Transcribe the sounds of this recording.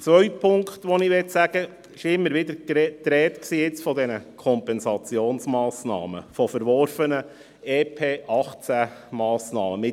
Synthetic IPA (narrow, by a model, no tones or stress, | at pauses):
t͡sʋœʏt̚pʰʊŋkχt̪ʋɔnɪʋɛtsæɡ̥ə | ɪʃɪmːəɾʋɪd̪əɾkɛtɾɛːt̪ksiːjɪt͡sfɔd̪ɛnəkʰɔmpɛnsɑt͡sjoːnsmɑːsnɑ̰ːmə̰fɔfəɾʋɔrfənə | eːpʰeːʔɑχt͡sæmɑːsnɑːməmɪ